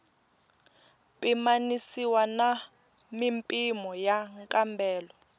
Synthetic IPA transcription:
pʼimanisiwana | mimpʼimɔjaŋkʼambɛːlɔ

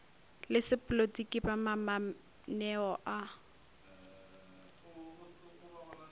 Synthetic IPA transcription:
lɪsɪpʼlotʼikʼibamama | nɛɔʔa

